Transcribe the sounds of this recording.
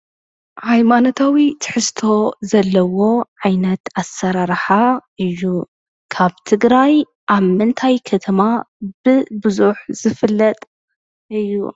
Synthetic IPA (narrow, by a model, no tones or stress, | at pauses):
hajmanot̪ʰawit̪ʰɨ̥ħɨst̪ʰo̞zɐlːɐwo̞ʕajnɐt̪asːɐɾaɾħaʔɨjːu | kʰaβt̪ʰɨɡɾaj | ʔaβmɨnt̪ʰajkʰɐt̪ʰɐma | b̥ɨbɨzuħz̥ɨfɨlːɐt̪ʼ | ʔɨjːṵ